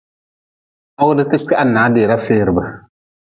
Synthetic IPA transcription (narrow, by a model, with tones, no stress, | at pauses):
a˦wʊ˦dɨ˦tɨ˦k͡pɛ˦ʔa˦˨nːaː˨˦deː˨ɾa˦feː˦ɾɨ˨bɨ˨